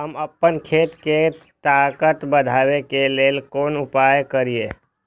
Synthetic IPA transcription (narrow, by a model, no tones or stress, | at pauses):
ɦəməpːənkʰeːt̪ke | t̪aːkət̪bəd̪ʱaːwekeleːlkoːnʊpaːjkəɾieː